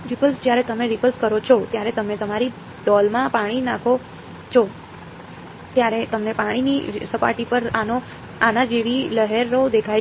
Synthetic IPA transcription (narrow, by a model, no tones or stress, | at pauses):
ɾipəlsd͡ʒjaɾet̪əmeɾipəlskəɾot͡ʃʰɔt̪jaɾet̪əmet̪əmaɾi | ɖɔlmãpaɽ̃inãkʰo | t͡ʃʰɔ | t̪jaɾet̪əmnepaɽ̃inisəpa̰ʈipəɾano | anad͡ʒeʋiləɦeɾːod̪ekʰaj